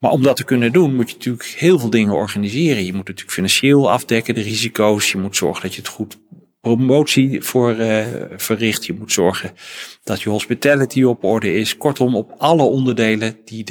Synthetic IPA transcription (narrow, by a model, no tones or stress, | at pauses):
ma̰ːɹɔmdɑtəkɵnəndunmutjənatyːləkhɪːlˠvɪːlˠdɪŋəɔ̰ɹχanizɪːrənjəmutnatyːləkfinɑnʃɪːlˠɑ̰vdɛkəndərizikowsjəmutsɔ̰ɹχəndɑtjəətχut | promowtsiv̥ʊːɹv̥ərɪχtjəmutsɔɹχənd̥ɑtjəɦɔspitaːlitiɔpɔɹdəɪskɔɹtɔmɔpɑləɔndəɹdejləndi